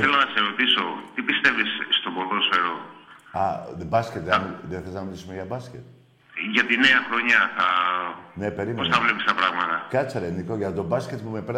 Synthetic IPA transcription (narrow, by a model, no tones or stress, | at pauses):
θelonɐseɾot̪isot̪ipist̪e̞visːt̪oboloseɾoɐðbɐscʲet̪miðeθeliznɐmilisumeʝɐbɐscʲet̪ | ʝɐt̪ine̞ɐxɾo̞ɲɐθɐnepe̞ɾimeosɐvlepist̪ɐpɾɐɣmɐt̪ɐkɐt͡sɐɾenikoʝɐt̪o̞bɐscet̪pumepeɾ